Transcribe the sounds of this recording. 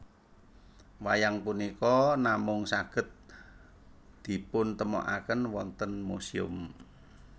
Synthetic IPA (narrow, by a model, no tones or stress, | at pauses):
wajaŋpunikɔnamʊŋsaɡ̥ə̤t̪̚ | d̪̥i̤pʊnt̪əmɔ̰ʔa̰kənwɔnt̪ənmusiʊ̰m